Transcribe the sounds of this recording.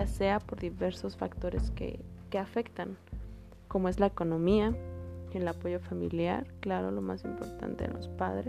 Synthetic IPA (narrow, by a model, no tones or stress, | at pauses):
ase̞apo̞ɾðiβe̞ɾso̞sfakt̪o̞ɾe̞̰skḛke̞afe̞kt̪aŋ | ko̞mo̞e̞zlaeko̞nõ̞miaelapo̞ʝo̞famḭlja̰ɾklaɾo̰lo̞ma̰simpo̞̰ɾt̪a̰nt̪e̞ðḛlo̞̰spaðɾe